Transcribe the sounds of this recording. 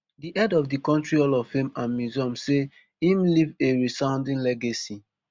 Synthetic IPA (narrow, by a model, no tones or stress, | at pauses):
diʔɛdɔvdikɔ̃ntɹiɔlɔvfẽmãnmizɔ̃mse | ĩmliveɹisãʊ̃ndĩnlɛɡasi